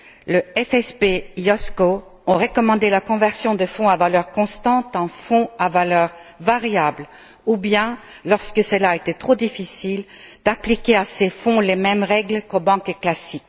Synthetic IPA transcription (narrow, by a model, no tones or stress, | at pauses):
ləɛfɛspeɔsko | ɔ̃ʁəkɔmɑ̃d̪elakɔ̃vɛʁsjɔ̃d̪əfɔ̃avalœʁkɔ̃st̪ɑ̃t̪ɑ̃fɔ̃avalœʁvaʁjabl | ubjɛ̃ | lɔʁskəsəlaet̪ɛt̪χod̪ifisil | d̪̥aplikʲeasefɔ̃lemɛmʁɛɡlkobɑ̃kklasik